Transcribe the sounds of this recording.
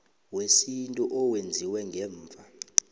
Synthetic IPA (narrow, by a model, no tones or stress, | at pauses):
wesintʼuʔɔwend͡zʱiwɛŋɡʱɛːɱvʱa